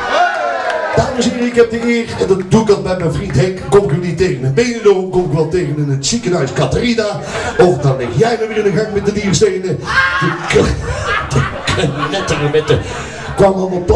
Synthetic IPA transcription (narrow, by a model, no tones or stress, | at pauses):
d̥aːməsɪːʁiɪkɦɛp̚dəʔɪːrɛndɑduɪkɑt̚bɛjmɛjnvrintɦɛkkɔmɪkynitːeːɣənənbejdədarɔmkɔmɪkʋɛlˠtejɣənənətsikənaɥskɑtərina | ɔfdɑnlɪχjɛjməʋɪːnəɣakmɛt̚dədiːrstejnəd̥ək | d̥əknɛtəmomɛntə | kʋamɑlˠɔt